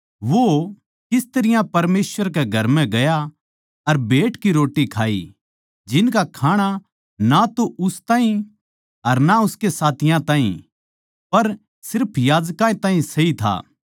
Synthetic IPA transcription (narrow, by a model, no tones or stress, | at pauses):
ʋo | kɪst̪ɐɾɪjãpɐɾmeːswəɾk̬eɡʱɐɾmɛ̃ɡɐja | ɐɾbʱeːʈkiɾoːʈːikʰa̰ːḭ | d͡ʒɪnkakʰaːɽ̃a | nat̪oʔʊst̪ãːɦĩ | ɦɐɾnaʊskesaːt̪ʰɪjãt̪ãːḭ̃ | pɐɾ | sɪɾpʰjaːd͡ʒkãẽt̪aːɦĩsɐit̪ʰa̰ː